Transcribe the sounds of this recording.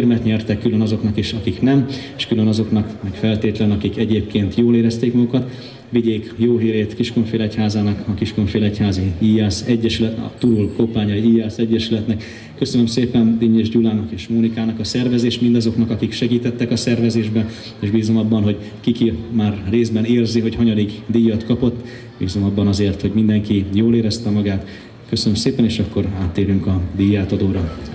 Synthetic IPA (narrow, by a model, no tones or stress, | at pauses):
rmɛt̪ɲɛrt̪ɛkːylø̞nɒzo̞knɒkiʃɒkiknɛmeːʃkylø̞nɒzo̞knɒkmɛkfɛlt̪eːt̪lɛnɒkikɛɟeːp̚keːnt̪joːleːɾɛst̪eːkmɒɡukɒt̪ | ʋiɟeːkjoːɦiːɾeːt̪kiʃkoɱfeːlɛchaːzaːnɒkɒkiʃkoɱfeːlɛchaːziiːjɛsɛɟːɛʃylɛt̪ɒ̰t̪uɾulkopaːɲɒiiːjɛlsɛɟːɛʃylɛt̪nɛkː | ø̞sønømseːpɛnd̪iːɲeːʒɟulaːnɒkeːʃmoːnikaːnɒkɒsɛrvɛzeːʃt̪mind̪ɒzo̞knɒkɒkikʃɛɡiːt̪ɛt̪ːɛkɒsɛrvɛzeːʒbɛ | eːʒbiːzomɒbːɒnɦo̞ɟ | kikimaːrːeːzbɛneːrziɦo̞chɒɲɒd̪iɡd̪ijːɒt̪kɒpo̞t̪ː | b̥iːzomɒbːɒnɒzeːrt̪ho̞ɟmind̪ɛŋkijoːleːɾɛst̪ɛmɒɡaːt̪ | kø̞sønømseːpɛneːʃɒkːo̞ɾaːt̪ːeːɾyŋkɒd̪ijːaːt̪ɒd̪oːɾɒ